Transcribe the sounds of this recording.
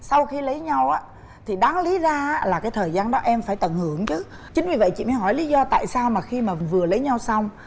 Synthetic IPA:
sa˧wxi˧lə˨˦jɲa˧wʔaː˨˦ | t̪ʰi˨˩ɗaː˨˦ŋli˨˦zaː˧˦˥laː˨˩kaː˨˦jt̪ʰəː˨˩jzaː˧nɗɔ˨˦ʔɛ˧mfaː˧˩jt̪ə˧˩nhɨ˧˩əŋt͡ɕɨ˨˦ | t͡ɕï˨˦ŋ̟vi˨və̰˧˨jt͡ɕḭ˧˨mə˨˦jɦɔ˧˩jli˨˦zɔ˧t̪a̰ː˧˨jsaː˧wmaː˨˩xi˧maː˨˩vɨ˨˩ələ˨˦jɲa˧wsa˧wŋ͡m

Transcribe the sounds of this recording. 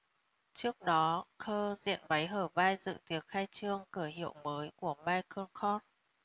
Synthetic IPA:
t͡ɕɨ˦˥ək̚ɗɔ˨˦kʰəː˧zḭ˧˨ənɓa˨˦jɦəː˧˩vaː˧jzɨ̰˧˨t̪i˨˦ət̚xaː˧jt͡ɕɨ˧əŋkɨ˧˩əɦḭ˧˨əwməː˨˦jku˧˩əmaː˧jkʰəː˧nxɔ˧n

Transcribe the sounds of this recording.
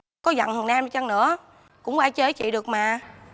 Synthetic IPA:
kɔ˨˦zə̰˧˨nhɨ˨˩ənʔaː˧m˨˩t͡ɕə˧ŋnɨ̰˧˥ə | kʊ̰˧˥ŋ͡mwaː˧t͡ɕe˨˦t͡ɕḭ˧˨ɗɨ˨˩ək̚maː˨˩

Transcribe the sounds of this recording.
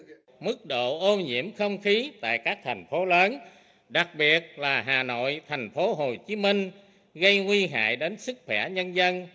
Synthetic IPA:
mɨ˦˥k̚ɗo̰˧˨ʔo˧ɲḭ˧˥əmxə˧wŋ͡mxi˨˦t̪a̰ː˧˨jkaː˦˥k̚t̪ʰa˨˩jŋ̟fo˨˦ləː˨˦n | ɗa˨˩k̚ɓi˨˩ət̚laː˨˩ɦaː˨˩no̰˧˨jt̪ʰɛ˨˩jŋ̟fo˨˦ɦo˨˩t͡ɕi˨˦mi˧ŋ̟ | ɣə˧jŋwi˧ɦa̰ː˧˨jɗe˨˦nsɨ˦˥k̚xwɛ˧˩ɲə˧nzə˧n

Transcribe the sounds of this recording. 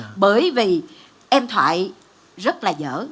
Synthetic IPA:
ɓəː˨˦jvi˨˩ | ʔɛ˧mt̪ʰwa̰ː˧˨j | zə˦˥t̚laː˨˩zə̰ː˧˥

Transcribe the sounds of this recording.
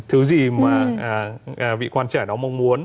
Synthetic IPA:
t̪ʰɨ˨˦zi˨˩maː˨˩aː˨˩ʔaː˨˩vḭ˧˨kwaː˧nt͡ɕaː˧˩ɗɔ˨˦ma˧wŋ͡mmu˨˦ən

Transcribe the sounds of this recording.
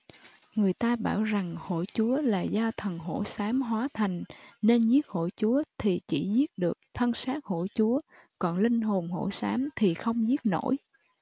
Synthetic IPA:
ŋɨ˨˩əjt̪aː˧ɓa̰ː˧˩wza˨˩ŋho̰˧˩t͡ɕu˨˦əlaː˨˩zaː˧t̪ʰə˨˩ŋɦo̰˧˥saː˨˦mɦwaː˨˦t̪ʰa˨˩jŋ̟ne˧nzi˦˥ət̚ho̰˧˩t͡ɕu˨˦ət̪ʰi˨˩t͡ɕi˧˩zi˦˥ət̚ɗɨ˨˩ək̚t̪ʰə˧nsaː˦˥t̚ho̰˧˩t͡ɕu˨˦ə | kɔ˨˩nlï˧ŋ̟ɦo˨˩nho̰˧˥saː˨˦mt̪ʰi˨˩xə˧wŋ͡mzi˦˥ət̚no̰˧˥j

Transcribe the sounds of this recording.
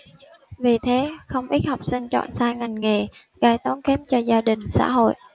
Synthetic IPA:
vi˨˩t̪ʰe˨˦xə˧wŋ͡mʔi˦˥t̚ha˨˩wk͡p̚sï˧ŋ̟t͡ɕɔ̰˧˨nsaː˧jŋa˨˩jŋŋe˨˩ | ɣaː˧jt̪ɔ˨˦nkɛ˨˦˥p̚t͡ɕɔ˧zaː˧ɗï˨˩ŋ̟sa̰ː˧˥ɦo̰˧˨jʔ

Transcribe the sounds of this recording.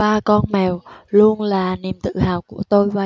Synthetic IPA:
ɓaː˧kɔ˧nmɛ˨˩wlu˧ənlaː˨˩ni˨˩əmt̪ɨ̰˧˨haː˨˩wku˧˩ət̪o˧jvaː˨˩

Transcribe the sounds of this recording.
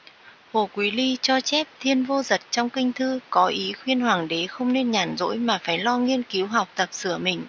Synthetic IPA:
ho˧˩kwi˨˦li˧t͡ɕɔ˧t͡ɕɛ˦˥p̚t̪ʰi˧ənvo˧zə˨˩t̚t͡ɕɔ˧wŋ͡mkï˧ŋ̟t̪ʰɨ˧kɔ˨˦ʔi˨˦xwi˧ənhwaː˨˩ŋɗe˨˦xə˧wŋ͡mne˧nɲaː˨˩nzo̰˧˥jmaː˨˩faː˧˩jlɔ˧ŋi˧ənki˨˦wɦa˨˩wk͡p̚t̪ə˨˩p̚sɨ˧˩əmï˨˩ŋ̟

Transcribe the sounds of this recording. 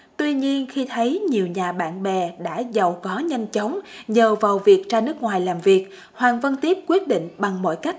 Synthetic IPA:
t̪wi˧ɲi˧ənxi˧t̪ʰə˨˦jɲi˨˩əwɲaː˨˩ɓa̰ː˧˨nɓɛ˨˩ɗa̰ː˧˥zaə˨˩wkɔ˨˦ɲa˧jŋ̟t͡ɕə˨˦wŋ͡mzəː˨˩vaː˨˩wvi˨˩ək̚t͡ɕaː˧nɨ˦˥ək̚ŋwaː˨˩jlaː˨˩mvi˨˩ək̚ | hwaː˨˩nvə˧nt̪i˦˥p̚kwi˦˥ət̚ɗḭ˧˨ŋ̟ɓa˨˩ŋmo̰˧˨jka˦˥k̟̚

